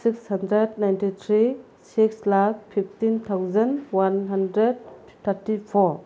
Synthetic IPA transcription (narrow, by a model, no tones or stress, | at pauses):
sikshɐndɾednajntit̪ʰɾi | sikslak̚pʰipʰtint̪ʰawzɐnwanɦandɾed̚ | t̪ʰaɾtipʰɔɾ